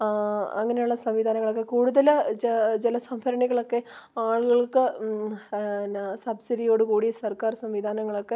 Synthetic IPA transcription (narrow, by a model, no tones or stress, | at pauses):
ɐ̰ŋːɐne̞juɭːɐsɐmʋid̪ʱaːnɐŋːɐɭokːe̞kuːɽuðɐlt͡ɕilɐsɐmpʰɐɾɐɳiɣɐɭo̞kːe̞ | aːɭuɣɐɭkɨ | sɐbsidijo̞ːɽɨkuːɽisɐrkaːrsɐmʋid̪ʱaːnɐŋːɐɭo̞kːe̞